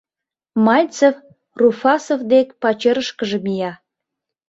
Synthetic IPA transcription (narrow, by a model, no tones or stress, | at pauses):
mɑlʲt͡sef | rufɑsofd̪ekpɑt͡ɕeɾəʃkəʒəmijɑ